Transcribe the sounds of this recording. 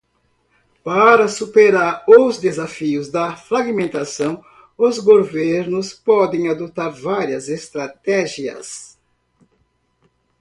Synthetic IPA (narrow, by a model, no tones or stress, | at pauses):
paɾɐsupeɾaɾʊzd̪ezafiʊzd̪ɐfɾaɡimẽnt̪asɐ̃w̃ | ʊzɡoveɾnʊspɔd̪ẽj̃ad̪ot̪aɾvaɾjɐzest̪ɾat̪ɛʒiɐ̰s